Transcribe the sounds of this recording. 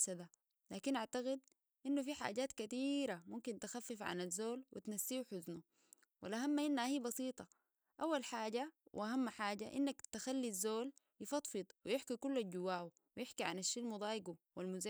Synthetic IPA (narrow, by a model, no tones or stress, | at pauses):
sad̪a | laːkinʔaʕt̪aɣid̪̚ | ʔinːufiħa̰ːɟaːt̪kat̪iːɾamumkint̪axafːifʕa̰nazːoːlwḭt̪nasːiːuħʊznu | wʔa̰lʔaɦamːaʔinːhahiːbɑsiːt̪ˤɑ | ʔawːalħaːɟawʔʔahamːħaːɟaʔḭnːakt̪axalːizːoːl | jɪfɑt̪ˤfɨd̪̚ˤwijɪħkikulːalɟuwːaːwu | wijɪħkiʕa̰naʃːiːlmʊd̪ˤɑːjɡuwalmuz